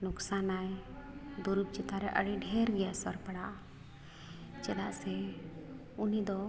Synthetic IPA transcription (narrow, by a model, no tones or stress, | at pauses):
nuksanajd̪uɾup̚t͡ʃɛt̪aɾɛʔə̰ɽiɖʱɛɾɡɛjasɔɾpaɽaʔ | t͡ʃɛd̪aʔsɛ | unid̪ɔ